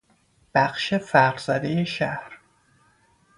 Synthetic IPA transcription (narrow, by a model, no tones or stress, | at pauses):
b̥æxʃefæɾɾz̥æd̪eje̞ʃæhɾ